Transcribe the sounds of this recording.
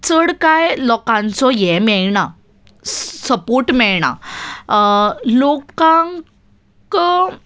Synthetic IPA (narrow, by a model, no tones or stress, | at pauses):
t͡səɽkajlɔkãnt͡sɔjɛmɛɭɳa | səpoɾʈmɛɭɳa̰ | lokãŋ | k